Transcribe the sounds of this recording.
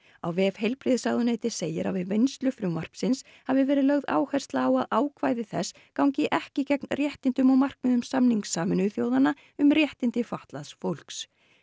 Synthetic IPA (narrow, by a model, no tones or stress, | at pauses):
awvɛvhejlpɾiːðɪsaɣðʏneːjt̪ɪ̥seːjɪɾa̰wvɪvejnst̪lʏfɾʏmːar̥psɪns | havɪvɛːɾɪðlœɣða̰ːwhɛjr̥st̪laːwaðaːwkʰvaːjðɪθɛs | kawɲcɪʔɛhcɪcɛknrjɛht̪ɪnt̪ʏmawmar̥kmɪðʏmsamniŋksaːmɪnʏθjoːwðana | ʏmrjɛht̪ɪnt̪ɪfaht̪laðsfowl̥ks